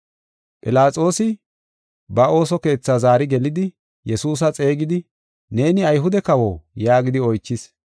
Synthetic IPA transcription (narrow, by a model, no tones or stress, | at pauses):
pʼɪlaːt͡sʼo̞ːsɪ | bɐo̞ːsɔke̞ːt͡sːazaːɾɪɡɛlɪd̪ɪ | jɛsuːs̬ɐt͡sʼe̞ːɡɪd̪ɪ | ne̞ːnɪɐjɦʊd̪ɛkɐwoːjaːɡɪd̪ɪɔjt͡ʃːɪs